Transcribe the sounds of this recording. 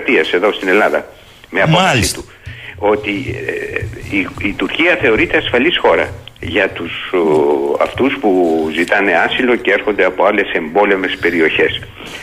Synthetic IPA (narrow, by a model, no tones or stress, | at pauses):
t̪iɐse̞ðo̞st̪ine̞lɐðɐ̰ | me̞ɐpoɐsit̪u | o̞t̪i | it̪uɾciɐθe̞o̞ɾit̪e̞ɐsfɐlisxo̞ɾɐ̰ʝɐt̪us | ɐ̰ft̪uspuzit̪ɐne̞ɐsilo̞ceeɾxo̞nd̪e̞ɐpo̞ɐle̞se̞mbo̞leme̞spe̞ɾio̞çe̞s